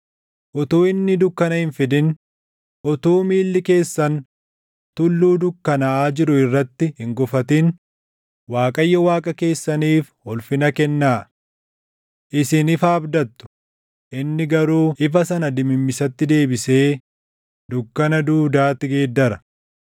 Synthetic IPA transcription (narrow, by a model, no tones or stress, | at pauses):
ʔɔt̪oːɪnːɪd̪ʊkːɐnɐhɪnfɪd̪ɪn | ʔɔt̪oːmiːlːɪke̞ːsːɐn | t̪ʊlːuːd̪ʊkːɐnɐaːd͡ʒɪɾʊɪrːɐt̪ːɪhɪŋɡɔfɐt̪ɪn | waːkʼɐjːɐwaːkʼɐke̞ːsːɐniːf | ɔlfɪnɐkɛnːaː | ʔɪsɪnɪfɐːbd̪ɐt̪ːʊ̥ | ʔɪnːɪɡɐɾuːʔɪfɐsɐnɐd̪ɪmɪmːɪsɐt̪ːɪd̪e̞ːbɪse̞ː | d̪ʊkːɐnɐd̪uːd̪aːt̪ːɪɡeːd̪ːɐɾɐ